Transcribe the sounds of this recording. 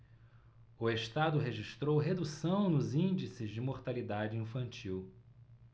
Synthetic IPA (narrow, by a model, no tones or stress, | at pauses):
ʊeʃt̪ad̪ʊɦeʒiʃt̪ɾowɦed̪usɐ̃w̃nʊzĩnd͡ʒisɪzd͡ʒɪmoɾt̪alid̪ad͡ʒɪĩfɐ̃nt͡ʃiw